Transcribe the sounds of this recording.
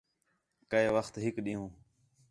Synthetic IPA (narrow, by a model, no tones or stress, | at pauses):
kəeːʋəxt̪ɦɪkɗĩːɦũː